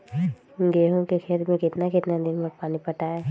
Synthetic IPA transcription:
ɡeːɦõkexʰeːɾmẽkɪt̪nakɪt̪nad̪ɪnpɐɾpaːnipɐʈaɦɛː

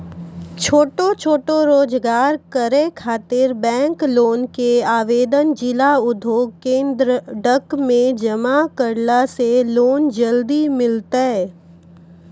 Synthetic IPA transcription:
t͡ʃʰoːʈot͡ʃʰoːʈoɾoːd͡ʒɡaːɾkəɾekʰaːt̪ɪɾbɛ̃ːŋkloːnkeaːʋeːd̪ənd͡ʒɪlaʊd̪ʱjoːɡkẽːnd̪ɾəɖəkmẽd͡ʒəmakəɾlaseloːnd͡ʒəld̪imɪlt̪aɦɛ

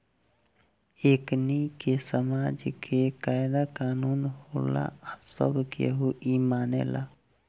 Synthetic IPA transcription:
eknikesəmaːd͡ʒkʰekaːɪd̪akaːnuːnhola̰asə̰bʱkḛɦoʔimaːnḛla̰

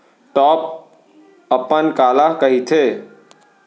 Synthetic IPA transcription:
ʈɔːp̚ | əpənkaːlakəɦit̪ʰeː

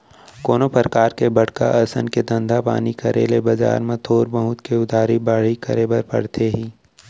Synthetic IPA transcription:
koːnopəɾkaːɾkebɐɽka̰ʔɐsə̰nked̪ə̃nd̪ʱapa̰ːnikʰɐɾḛːlebɐd͡ʒa̰ːɾmẽt̪ʰoːɾbɐɦʊt̪keʊd̪ʱaːɾibaɽ̤ikəɾebɐɾpɐ̰ɽt̪ʰeɦĩː

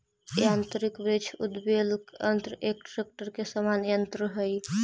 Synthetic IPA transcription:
jant̪ɾikbet͡ʃʰud̪belkənt̪ɾəʔek̚ʈɾek̚ʈəɾkesəmanjənt̪ɾəɦəj

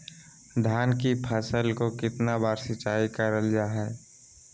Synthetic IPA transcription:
d̪ʱjaːnkipʰəsəlkokɪt̪nabaːɾsɪt͡ʃaːikəɾəld͡ʒaːɦɛː

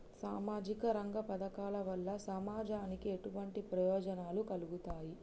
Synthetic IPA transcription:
saːmaːd͡ʒikɐɾɐŋɡɐpɐd̪ɐkaːlɐʋɐlːɐsɐmaːd͡ʒaːnikieʈuʋɐɳʈipɾɐjɔːd͡ʒɐnaːlukɐluɡut̪aːji

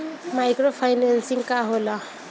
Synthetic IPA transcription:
majkɾopʰajnansiŋkaɦola

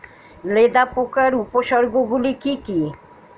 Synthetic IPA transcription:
led̪apokaɾupoʃɔɾɡoɡulikiki

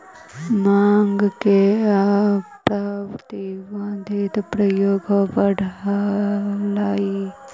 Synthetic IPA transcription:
maːŋɡke | pɾaːʋt̪iʋãːnd̪ʱit̪pɾɐjoːɡʋɐɽʱa | laːi

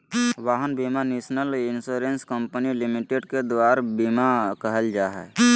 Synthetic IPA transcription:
ʋaːɦənbimaneːsnəlɪnsuːɾenskəmpənilimiʈeɖked̪waːɾbimakəɦəld͡ʒaːɦɛ̰ː

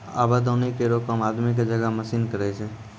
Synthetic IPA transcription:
a̰bad̪ənikeɾokəmaːd̪mik̬ed͡ʒəɡaməsiːnkəɾɛt͡ʃʰe

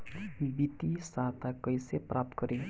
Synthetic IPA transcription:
bibit̪isat̪akɔjseprʔap̚t̪kɔɾi

